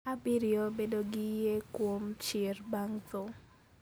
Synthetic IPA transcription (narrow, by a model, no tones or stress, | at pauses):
abiɾjobedoɡɪjekwomt͡ʃɪrbaŋto